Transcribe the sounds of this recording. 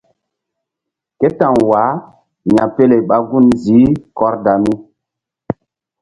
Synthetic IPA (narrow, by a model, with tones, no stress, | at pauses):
ke˦ta˨ŋwa˨˦ | ɲa˨pe˦le˨ɓa˦ɡu˦˨nzi˨˦kɔ˦ɾda˨mi˦